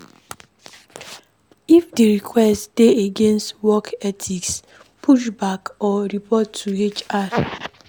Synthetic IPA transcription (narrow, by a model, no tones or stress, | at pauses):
ifdiɾikʰwɛstd̥eeɡẽnstwɔkɛtʰiks | pʰuʃ̬bakɔɾipɔtːuet͡ʃaɾ